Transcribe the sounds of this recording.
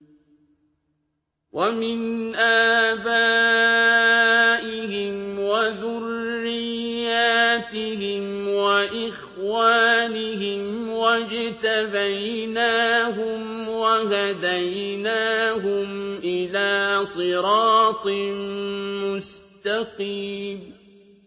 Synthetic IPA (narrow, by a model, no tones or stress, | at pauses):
wamɪnʔaːbaː | ʔɪɦɪmwaðʊrːɪjːaːt̪ɪɦɪmwaʔɪx | waːnɪɦɪmwad͡ʒt̪abajnaːɦʊmwaɦad̪ajnaːɦʊmʔɪlaːsˤɨɾɑːt̪ˤ | mʊst̪aqiːm